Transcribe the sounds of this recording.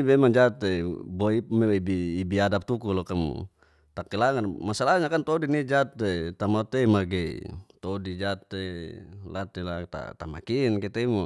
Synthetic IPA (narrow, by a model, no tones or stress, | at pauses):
bemaŋd͡ʒat̪eboimeibiːbiadap̚t̪ukulɔkamṵ | t̪akilaŋanmasalaɲakant̪odinid͡ʒat̪et̪amat̪eimaɡḛt̪odid͡ʒat̪ela̰t̪ila̰t̪a̰t̪ama̰kinkɛt̪eimo